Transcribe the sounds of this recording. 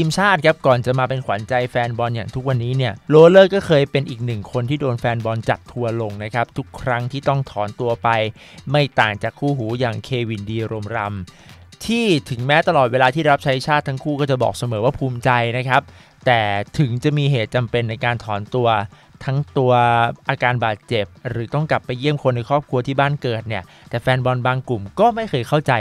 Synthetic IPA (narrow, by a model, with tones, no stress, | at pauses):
t̪ʰiː˧mt͡ɕʰaː˥˩t̪̚kʰa˦˥p̚kɔː˨˩nt͡ɕa˨˩maː˧pe˧nkʰwa˩˦nt͡ɕa˧jfɛː˧nbɔː˧njaː˨˩ŋt̪ʰu˦˥k̚wa˧nːiː˦˥ni˥˩ɐloː˧lɤː˥˩kɔː˥˩kʰɤː˧jpe˧nʔiː˨˩k̚nɯ˨˩ŋkʰo˧nt̪ʰiː˥˩doː˧nfɛː˧nbɔː˧nt͡ɕa˨˩t̪ʰːu˧ɐlo˧ŋna˦˥kʰa˦˥p̚t̪ʰu˦˥kʰːɾa˦˥ŋt̪ʰiː˥˩t̪ɔ˥˩ŋt̪ʰɔː˩˦nt̪u˧ɐpa˧j | ma˥˩jt̪aː˨˩ŋt͡ɕaː˨˩kʰːuː˥˩ɦuː˩˦jaː˨˩ŋkʰeː˧wi˨˩ndiː˧ɾo˧mɾa˧m | t̪ʰiː˥˩t̪ʰɯ˩˦ŋmɛː˦˥t̪a˧lɔː˨˩t̪̚weː˧laː˧t̪ʰiː˥˩˧ɾa˦˥p̚t͡ɕʰa˦˥jt͡ɕʰaː˥˩t̪ʰːa˦˥ŋkʰuː˥˩kɔː˥˩t͡ɕa˨˩bɔ̰ː˨˩k̚sa˧mɤː˩˦waː˥˩pʰuː˧mt͡ɕa˧jna˦˥kʰa˦˥p̚ | t̪ɛː˨˩t̪ʰɯ˩˦ŋt͡ɕa˨˩miː˧ɦeː˨˩t̪̚t͡ɕa˧mpe˧nːa˧jkaː˧nt̪ʰɔː˩˦nt̪u˧ɐ | t̪ʰa˦˥ŋt̪u˧ɐʔaː˧kaː˧nbaː˨˩t̪̚t͡ɕe˨˩p̚ɾɯː˩˦t̪ɔ˥˩ŋkla˨˩pːa˧jːi˥˩əmkʰo˧nːa˧jkʰɾɔː˥˩p̚kʰu˧ɐt̪ʰiː˥˩baː˥˩nkɤː˨˩t̪̚ni˥˩ɐ | t̪ɛː˨˩fɛː˧nbɔ˧nbaː˧ŋklu˨˩mkɔː˥˩ma˥˩jkʰɤː˧jkʰa˥˩wt͡ɕa˧j